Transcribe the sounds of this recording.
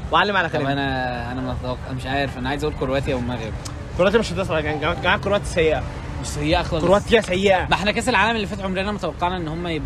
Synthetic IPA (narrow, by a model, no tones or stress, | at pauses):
wʕalːemʕalækæʔænæʔænæmet̪t̪æwɑqːɑʔmeʃʕaːjeɾfʔænæʕajezʔæuːlkoɾowæːt̪iæwemːæɣeb | koɾowæːt̪imeʃɑt̪ˤesalæɡæɡɡæmækːoɾowæt̪i̥sæjːeʔæ | wesæjːeʔæxlɑoowæt̪iæsæjːeʔæmæʔeħnækæːs̬elʕaːlæmelːifæːt̪ʕomɾeænæmot̪æwɑqːɑʕnæʔenːhomːæjeb